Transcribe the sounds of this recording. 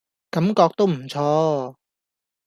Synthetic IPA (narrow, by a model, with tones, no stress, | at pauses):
kɐ˨˥mkɔː˧k̚t̪o˥wm̩˨˩t͡sʰɔː˥